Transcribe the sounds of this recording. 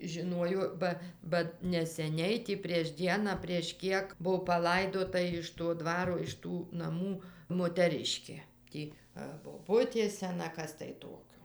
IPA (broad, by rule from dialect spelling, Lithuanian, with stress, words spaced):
ʒʲɪˈnoːjoː ˈbɐ bɐ nʲɛsʲɛˈnʲɛɪ tʲɪ pʲrʲiɛʃ ˈdʲiɛnɑː pʲrʲiɛʃ ˈkʲiɛk ˈbuɔ pɐˈlˠɐɪdoːtɐ ɪʃ toː ˈdʋɑːroː ɪʃ ˈtuː nɐˈmuː moːtʲɛˈrʲɪʃʲkʲeː ˈtʲiː ɐr boːˈbʊtʲeː sʲɛˈnɐ ˈkɐs tɐɪ ˈtoːkʲoː